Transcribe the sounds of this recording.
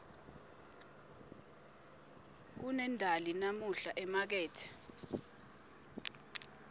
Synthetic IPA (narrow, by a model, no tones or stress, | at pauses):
k̬unɛndʱalinamuɬaʔɛmak̬ɛːtʰɛ̥